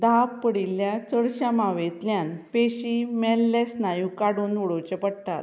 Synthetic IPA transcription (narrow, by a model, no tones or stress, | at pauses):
d̪ʱappəɽiljat͡səɽɕamaʋet̪ljanpeɕiːmɛlːesnajũːkaɽuːnuɽot͡ɕepəɽt̪a̰t̪